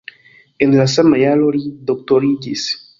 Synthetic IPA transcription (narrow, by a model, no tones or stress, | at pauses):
enlasamajaloɾid̪ok̚t̪oɾid͡ʒis